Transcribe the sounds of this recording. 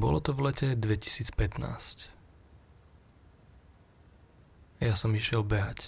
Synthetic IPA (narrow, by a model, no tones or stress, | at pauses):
bɔlɔt̪ɔvlɛcɛd̪ʋɛci̥siːt͡spɛt̪na̰ːsc | jasɔmiʃɪɛlbɛɦac